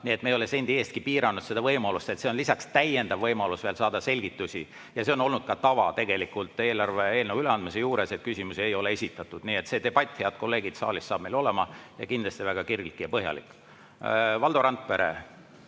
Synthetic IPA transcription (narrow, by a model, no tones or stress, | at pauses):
nie̞t̪meo̞lesend̪̥ieːst̪kipiːɾɑnːud̪̥se̞d̪ɑvɤjmɑlust̪e̞t̪se̞onlisɑkst̪æje̞nd̪̥ɑvːɤjmɑlusveːlsɑːd̪̥ɑse̞lʲɡ̥it̪ːˑusʲi | jɑse̞ono̞lnud̪̥̚kɑt̪ɑvɑ̰t̪e̞ɡ̥e̞likult̪ˑe̞ːlɑrveeːlnevuyleɑnd̪misejuːɾeset̪̚kysʲimusie̞jo̞le̞e̞sʲit̪ːˑɑt̪ˑːud̪̥niːe̞t̪se̞d̪e̞b̥ɑt̪ʲˑːhe̞ɑd̪̥̚ko̞lːe̞ːɡid̪̥sɑ̰ːlʲisːɑːb̥mejlo̞lemɑjɑkind̪lɑst̪ivæɡ̥ɑkirɡlikːijɑpɤɦjɑ̰lḭkː | vɑld̪oɾɑnt̪̚ˑpeɾḛ